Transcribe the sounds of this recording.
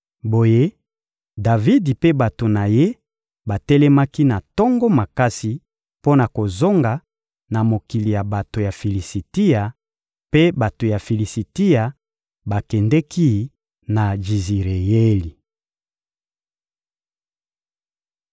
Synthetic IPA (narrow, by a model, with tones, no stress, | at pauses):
bo˨je˦ | da˨vi˦di˨pe˦ba˨to˨na˨je˦ | ba˨tɛ˦lɛ˦ma˦ki˦na˨tɔ˦ŋɡɔ˦ma˨ka˦si˨ | po˦na˨ko˨zo˦ŋɡa˨ | na˨mo˨ki˨li˨ja˨ba˨to˨ja˨fi˨li˨si˨ti˦ja˨ | pe˦ba˨to˨ja˨fi˨li˨si˨ti˦ja˨ | ba˨kɛ˨ndɛ˦ki˦ | na˨ʒi˨zi˨ʁe˨je˦li˨